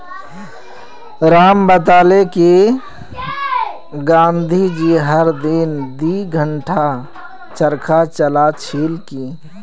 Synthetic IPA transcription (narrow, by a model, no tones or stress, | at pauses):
ɾaːmbət̪aːleki | ɡãnd̪ʱid͡ʒiɦəɾd̪ind̪iɡʱəɳʈʰa | t͡ʃəɾkat͡ʃəlat͡ʃʰilki